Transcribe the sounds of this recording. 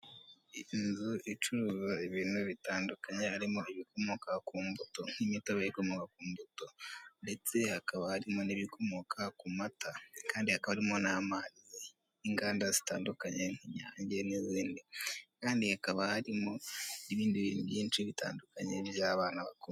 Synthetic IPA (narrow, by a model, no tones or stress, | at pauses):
inzuit͡ʃuɾuːzoiβiːnuβitaːndukaɲehaɾimo̞iβikʰo̞mokʰakuːmbuto̞n̥imitoβaikomokakuːmbuto̞nde̞t͡se̞hakaβahaɾimo̞niβikʰo̞mokʰakumatakaːndihakaβaɾimo̞naːmaɾize | iŋɡaːndazita̰ːndukaɲeŋ̥iɲaːɲɟe̞niziːndikaːndihakaβahaɾimo̞niβiːndiβḭːnuβjiːnt͡ʃiβita̰ːndukaɲḛbjaːβaːnaβaku